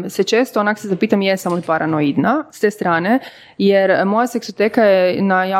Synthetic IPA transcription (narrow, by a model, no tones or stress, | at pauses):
set͡ʃe̞ːst̪oonaksezapiːt̪amjesamolipaɾʔanoid̪nast̪eːst̪ɾaːne | jeɾmo̞jase̞ksot̪eːkajenaja